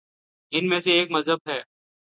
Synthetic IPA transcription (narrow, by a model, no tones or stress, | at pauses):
ɪnmẽseeːkmɐzɦəb̚ɦɛː